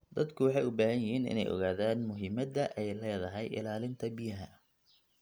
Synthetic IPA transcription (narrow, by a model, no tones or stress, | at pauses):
d̪ɐd̪kʰʊwɑħɑjʊbaːɦɐnjɪhiːnɪ̰nɛ̰jʔɔ̰ɣaːðaːnmʊɦɪmɐd̪ɐʔɛjlɛːðɐɦɛjʔɪ̰laːlɪnt̪ʰɐbɪjɐɦɐ